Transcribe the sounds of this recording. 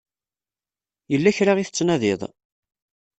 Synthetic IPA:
jəlːæçɾaʁiθə̥t͡sːnæðɪðˤ

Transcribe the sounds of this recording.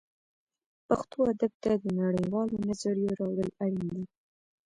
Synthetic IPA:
paxt̪oad̪ab̚t̪ad̪ənaɽəjwɑlonazaɽjoɾɑɽəlaɽind̪i

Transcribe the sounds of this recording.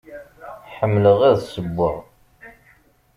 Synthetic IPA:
ħəmːləʁæðsəbːəʁ

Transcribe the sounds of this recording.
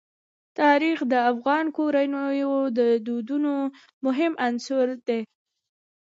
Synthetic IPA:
t̪ɑɾixd̪əafɣɑnkoɾanəjod̪əd̪ud̪uno | mʊɦɪmʔansʊɾd̪e

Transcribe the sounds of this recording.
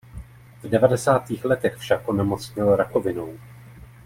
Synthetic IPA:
vdɛvadɛsaːt̪iːxlɛt̪ɛxfʃakʔonɛmo̞t͡sɲɪlɾako̞vɪnow

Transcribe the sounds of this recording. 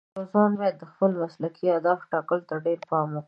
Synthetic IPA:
ɾozwɑnwɑjad̪ːəxpəlmaslakʰiad̪ɑfʈɑkəlt̪aɖeɾpɑmwu

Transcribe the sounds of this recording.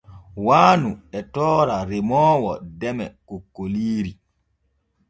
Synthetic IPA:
waːnuɛtɔːɾaɾemɔːwɔdɛmɛkokːoliːɾi

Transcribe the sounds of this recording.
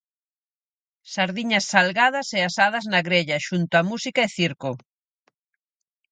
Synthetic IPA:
saɾðiɲɐsːalɣað̞ɐseasað̞ɐznaɣɾeʎaʃunt̪oamusikaeθiɾko

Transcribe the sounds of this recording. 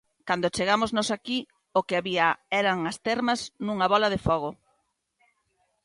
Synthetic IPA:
kand̪ot͡ʃeɣamoznosaki | okɪaβiaɛɾɐŋɐst̪ɛɾmɐznũŋɐβɔlɐðefɔɣ̞o

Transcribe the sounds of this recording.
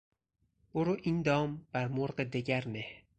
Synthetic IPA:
b̥oɾoʔind̪ɒːmb̥æɾmoɾɢed̪eɟæɾmeh

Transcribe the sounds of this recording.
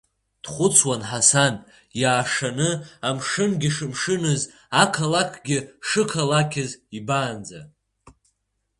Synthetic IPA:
d̥χʷʊt͡sʰwanħasan | jaːʂanɨamʂɨnɡʲɪʂɨmʂɨnɨz | akʰalakʷʰɡʲɪʂɨkʰalakʲʰɪzibaːnd͡za̰

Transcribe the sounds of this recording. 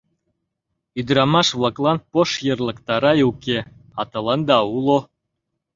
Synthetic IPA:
yd̪ɾɑmɑʃβlˠɑklˠɑnpoʃjɤ̆rlˠə̆kt̪ɑɾɑjuke | ɑt̪ɤ̆lˠɑnd̪ɑulˠo

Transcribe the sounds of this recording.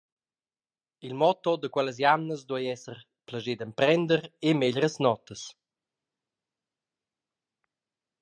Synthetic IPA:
ilmɔt̪ɔd̪əkwɛləs̬janːəsd̪uəjɛsər | pləʒed̪əmpɾɛnd̪əɾemeʎɾəsnɔt̪əs

